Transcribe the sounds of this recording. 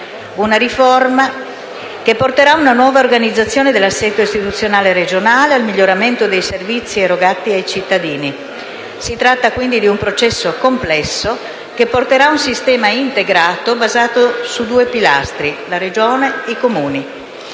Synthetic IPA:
unaɾiforma | kepːort̪eɾaunanwɔːvaorɡanid̪zːat̪sːjoːned̪elːasːɛt̪ːoist̪it̪ut̪sːjonaːleɾed͡ʒonaːlealmiʎːoɾament̪od̪ejservit̪sːieɾoɡat̪ːiajt͡ʃit̪ːad̪iːni | sit̪ɾat̪ːakwind̪id̪iumpɾot͡ʃɛsːokomplɛsːo | k̟epːort̪eɾaunsist̪ɛːmaint̪eɡɾaːt̪obazaːt̪osud̪uːepila̰st̪ɾilaɾed͡ʒoːneikomuːni

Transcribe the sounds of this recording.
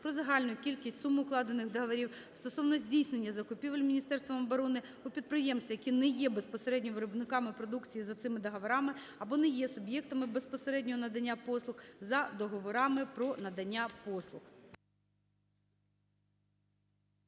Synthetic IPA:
pɾɔzɐɦɑlʲnʊjkʲilʲkʲisʲtʲsumʊʊklˠɑd̪enɪxd̪ɐɦɐʋɐɾʲiw | st̪ɔsɔwnɔzʲdʲijsnenʲːɐzɐkʊpʲiʋelʲmʲinʲist̪ɛrst̪ʋɐmɔbɔɾɔnɪ | ʊpʲid̪̚pɾɪjɛmst̪ʋʲijɐkʲinɛjɛbespɔseɾɛdʲnʲɔʋeɾɔbnɪkɑmɪpɾɔd̪ukt͡sʲijizɐt̪sɪmɪd̪ɐɦɐʋɐɾɑmɪ | ɐbɔnɛjɛsʊbjɛk̚t̪ɐmɪbespɔseɾɛdʲnʲɔɦɔnɐd̪ɐnʲːapɔslˠʊxzɐd̪ɔɦɔʋɔɾɑmɪpɾɔnɐd̪ɐnʲːapɔslˠʊx

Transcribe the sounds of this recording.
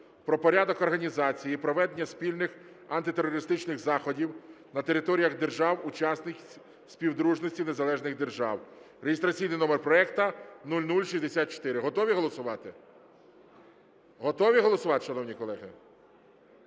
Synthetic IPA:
pɾɔpɔɾʲad̪ɔkɔrɦɐnʲizɑt͡sʲijipɾɔʋɛd̪enʲːɐsʲpʲilʲnɪx | ɐnt̪ɪt̪eɾɔɾɪst̪ɪt͡ʃnɪɣzɑxɔdʲiw | nɐt̪eɾɪt̪ɔɾʲijɐɣd̪erʒɑwʊt͡ʃɑsnɪkʲ | sʲpʲiwd̪ɾuʒnɔsʲtʲine̞zɐlˠɛʒnɪɣd̪e̞rʒɑw | ɾejʲɪst̪ɾɐt͡sʲijnɪjnɔmerpɾɔɛkt̪ɐnulʲnulʲʃisʲd̪esʲat̪̚t͡ʃɔ̥t̪ɪɾɪɦɔt̪ɔʋʲiɦɔlˠɔsʊʋɑt̪ɪ | ɦɔt̪ɔʋʲiɦɔlˠɔsʊʋɑt̪ɪ̥ʃɐnɔwnʲikɔlˠɛɦɪ

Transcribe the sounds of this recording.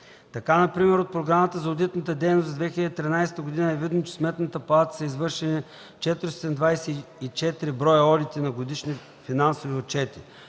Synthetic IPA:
t̪ɐkanɐpɾimɛɾot̪̚pɾoɡɾamət̪əzɐod̪it̪nət̪əd̪ɛjnosd̪vɛxiləd̪it̪ɾinajsɛ̥t̪əɡod̪inəɛvid̪not͡ʃɛ̥smɛt̪nət̪əpɐlˠat̪ə̥sɐizvɤɾʃɛni | t͡ʃɛt̪ɾsɛnd̪vajsɛit͡ʃɛt̪iɾibɾɔjəɔlit̪inɐɡod̪iʃni | finansoviot̪̚t͡ʃɛt̪i

